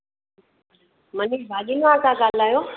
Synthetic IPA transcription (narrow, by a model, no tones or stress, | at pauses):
məniːbʱaːɗiːnuãːkãɠaːl̤aːjoː